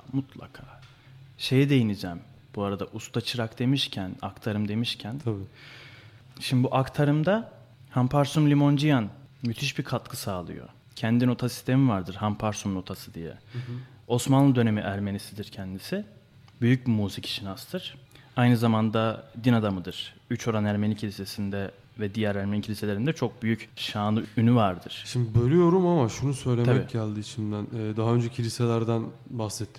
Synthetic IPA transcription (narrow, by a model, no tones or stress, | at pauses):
mut̪ʰlˠa̰kʰaː | ʃe̞jɛd̪e̞jinid͡ʒɛːm | b̥uaɾad̪a̰ʔust̪ʰat͡ʃʰɯɾakd̪e̞miʃcʰæna̰kt̪ʰaɾɯmd̪e̞miʃcʰænʰb | ʃimbuʔakt̪ʰaɾɯmd̪a | hampʰaɾsumlʲimo̞nd͡ʒijanmyt̪ʰiʃbikʰat̪̚kʰɯsaːlˠɯ̰jo̰ | cʰɛnd̪ino̞t̪ʰasi̥st̪ʰe̞mivaɾd̪ɯɾhampʰaɾsumno̞t̪ʰasɯd̪ijɛ̰ | osmanlˠɯd̪ø̞ne̞miʔæɾme̞nisid̪iɾcʰɛnd̪isi | byjyc̚bimuːzicʰi̥ʃinast̪ʰɯɾ̥ajnɯzamand̪ad̪inad̪amɯd̪ɯɾ̥ | yt͡ʃʰo̞ɾanæɾme̞nicʰilʲise̞sind̪ɛ | vɛd̪ijæɾæɾmenicʰilʲise̞lʲeɾind̪ɛt͡ʃʰo̞k̚byjycʃaːnˠɯynyvaɾd̪ɯɾ̥ʃimd̪ibølʲyjo̞ɾumamaʃunusø̞jlʲeaɛbicːcʰalʲˠd̪ɯːit͡ʃʰinb̪ænːd̪aɦaø̞nd͡ʒɛcʰilʲiselʲæɾd̪an | baxsɛt̪ʰːi